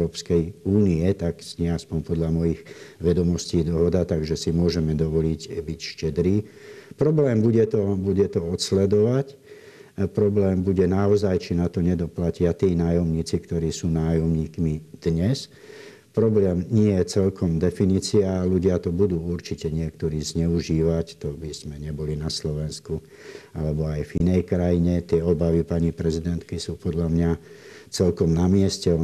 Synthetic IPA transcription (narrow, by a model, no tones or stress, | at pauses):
ɾɔːpskɛjuːniɛt̪aksɲɪɛaspɔmpɔd̪ʎamɔjiɣʋɛd̪ɔmɔsciːd̪ɔɦɔd̪at̪aɡʒɛsimʊɔʒɛmɛd̪ɔʋɔlicbicʃcɛd̪ɾiːpɾɔblɛːmbuɟɛt̪ɔbuɟɛt̪ɔɔt̪slɛd̪ɔʋac | pɾɔblɛːmbuɟɛnaɔzajt͡ʃinat̪ɔɲɛd̪ɔplacɪat̪iːnaːjɔmɲiːt͡sikt̪ɔɾiːsuːnaːjɔmɲiːkmid̪̥ɲɛs | pɾɔblɛːmɲɪɛjɛt͡sɛlkɔmd̪ɛfiniːt͡siaːluɟɪat̪ɔbud̪uːuɾt͡ʃicɛɲɪɛkt̪ɔɾiːzɲɛuʒiːʋact̪ɔbiz̥mɛɲɛbɔlinaslɔʋɛnsku | alɛbɔajvinɛjkɾajiɲɛt̪ɪɛɔbaʋipaɲipɾɛzid̪ɛnt̪kisuːpɔd̪ʎamɲat͡sɛlkɔmnamɪɛscɛ